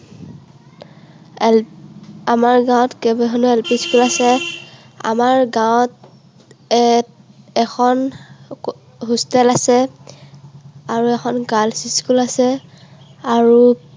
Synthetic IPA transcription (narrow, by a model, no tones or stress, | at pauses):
amaɹɡãw̃tkɛbɛɦɔnuɛlpiskulasɛ | a̰maɹɡawt | ɛ | ɛxʰɔn | ɦustɛlasɛ | aɹuɛxʰɔnɡalsiskulasɛ | aɹu